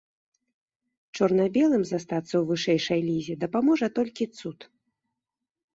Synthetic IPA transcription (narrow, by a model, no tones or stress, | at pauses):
t͡ʂɔrnabʲɛlˠɨmzast̪at̪sːɐwvɨʂɛjʂɐjlʲizʲɛd̪ɐpamɔʐɐt̪ɔlʲkʲit̪sut̪